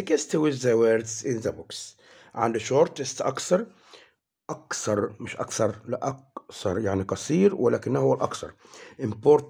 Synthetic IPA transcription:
ɪkɪst̪wɪzːaweɾd̪zɪnzabʊks | ʕa̰nd̪uʃoːɾˤt̪ːɪst̪ʔɑ̰kθɑɾˤ | ʔɑkθɑɾˤmɪʃʔɑ̰kθɑɾˤlɪʔɑk̚θɑ̰ɾˤjaʕniqɑsˤiːɾwɪlaːkɪnːhʊwːalʔɑ̰kθɑ̰ɾˤ | ʔɪmpoːɾt̪

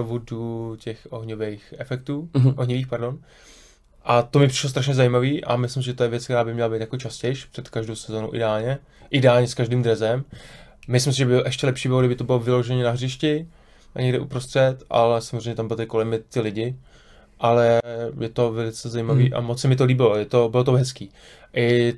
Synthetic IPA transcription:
ovuducɛxʔoɦɲovɛjxʔɛfɛk̚t̪uːʔoɦɲɪviːxpaɾdo̞n | ʔat̪omɪpr̥ɪ̥ʃlost̪ɾaʃɲɛzajiːmaviːʔa̰mɪslɪmsɪʒɛt̪ojɛvjɛt͡skt̪ɛɾaːbɪmɲɛlabejt̪jakot͡ʃascɛjʃpr̥ɛt̪kaʒdowsɛzoːnṵʔɪ̰dɛaːlɲɛ | ʔɪdɛaːlɲɛskaʒdiːmd̪ɾɛzɛmmɪslɪmsɪʒɛbɪʔɛʃcɛlɛpʃiːbɪlo̞ɡdɪbɪt̪obɪlovɪlo̞ʒɛɲɛnaɦr̝ɪʃcɪ | aɲɛɡdɪʔṵpɾost̪r̥ɛt̪ʔa̰lɛsamozrejɲɛt̪ambɪlt̪aɪko̞lɛmːɪtt̪ːɪlɪɟɪ | ʔalɛjɛt̪o̞vɛlɪt͡sɛzajiːmavḭːʔa̰mot͡ssɛmɪt̪̬o̞liːbɪlojɛt̪o̞bɪlo̞t̪oɦɛskiː | ʔɪ

